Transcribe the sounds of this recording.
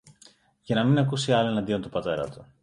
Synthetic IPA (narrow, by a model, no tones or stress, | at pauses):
ʝɐnɐminɐkusiɐloe̞nɐnd̪io̞nt̪upɐt̪e̞ɾɐ̰t̪u̥